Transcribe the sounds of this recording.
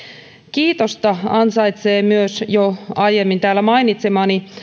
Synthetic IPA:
kiːt̪ost̪ɑɑnsɑjt̪seːmyøsjoɑjemːint̪æːlːæmɑinit̪semɑːni

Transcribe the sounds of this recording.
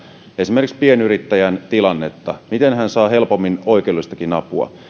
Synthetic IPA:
e̞simerkspienyɾit̪ːæjænt̪ilɑnːe̞t̪ːɑmit̪enɦænsɑːɦe̞lpo̞mːino̞ikeulust̪ɑkinɑpuɑ̰

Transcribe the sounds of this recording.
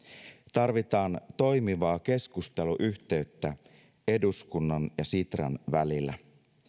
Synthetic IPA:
t̪ɑrʋit̪ɑːnt̪o̞jmiʋɑːke̞skust̪e̞luʔyçt̪e̞yt̪ːæ | e̞duskunːɑnjɑsit̪ræ̰nʋælilːæ̰

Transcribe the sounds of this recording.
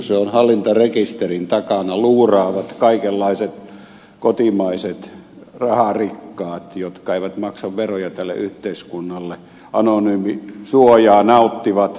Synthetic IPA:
seonhɑlːint̪ɑrekist̪erint̪ɑkɑnɑluːrɑːʋɑt̪kɑikelːɑiset̪ | kot̪imɑiset̪ | rɑhɑrikːɑːt̪jot̪kɑeˑiʋæt̪mɑksɑʋʋerojɑt̪ælːḛʔyht̪eiskunːɑlːe | ʔɑnonyːmisuojɑːnɑut̪ːiʋɑt̪

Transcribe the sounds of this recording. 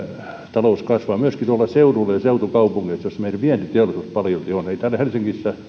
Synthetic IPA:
t̪ɑlouskɑsʋɑːmyøskit̪uolːɑseurulːejseut̪ukɑupuŋɡesjosmeilpiænt̪yt̪eɑolisust̪pɑljot̪ioneit̪æːlhelsiŋkisːæ

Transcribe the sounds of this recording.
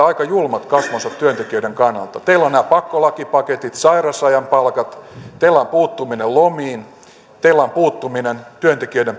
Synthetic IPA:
ɑikɑjulmɑt̪kɑsʋonsɑt̪t̪yønt̪ekiøideŋkɑnːɑ̰lt̪ɑt̪eilonnæːpɑkːolɑkipɑket̪it̪sɑirɑsɑjɑmpɑlkɑt̪t̪eilːɑmpuːt̪ːuminellomiːn | t̪eilːæɑmpuːt̪ːuminent̪yønt̪ekiøidem

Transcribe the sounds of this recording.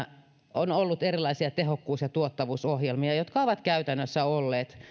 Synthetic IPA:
onolːut̪erilːˑɑisiɑt̪ehokːuːsjɑt̪uot̪ːɑʋuːsohjelmiɑjot̪kɑoʋɑt̪kæyt̪ænːøsːæolːeːt̪

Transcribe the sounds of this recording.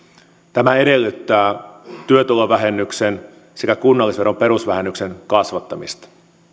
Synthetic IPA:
t̪æmæe̞ɾe̞lːyt̪ːæːt̪yøt̪uloʋæɦe̞nːyksen | se̞kækunːɑlːisʋe̞ɾo̞mpe̞ɾusʋæɦenːykse̞nkɑsʋɑt̪ːɑmist̪ɑ̥

